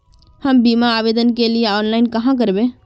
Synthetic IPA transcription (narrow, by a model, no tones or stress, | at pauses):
həmbimaːʋeːd̪ənkelijeɔːnlaɪnkəɦãk̬əɾbẽ